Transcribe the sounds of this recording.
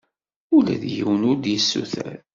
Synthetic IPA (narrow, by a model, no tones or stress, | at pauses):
ulæ̰ðjiwənʊɾd̪jəsːuθæɾ